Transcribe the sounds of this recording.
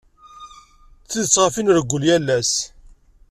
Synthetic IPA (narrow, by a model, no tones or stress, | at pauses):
θiðət͡sːˤʁafinɾəɡʷːʊljælːæs